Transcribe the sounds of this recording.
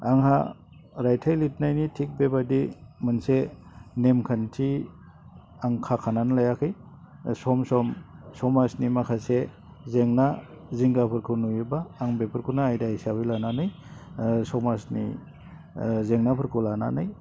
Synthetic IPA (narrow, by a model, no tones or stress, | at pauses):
a̰ŋɦa̰ | ɾajtʰajlit̚ʰnajnitʰik̚bebadimɯnse | nemkʰantʰi | aŋkʰakʰananlajakʰɯj | sɔmsɔmsɔmasnimakʰase | zeŋna | ziŋɡapʰɯɾkʰɯnujubaːŋbepʰɯɾkʰunaːjdahisabilananɯj | sɔmasnḭ | zeŋnapʰɯɾkʰɯlana̰naj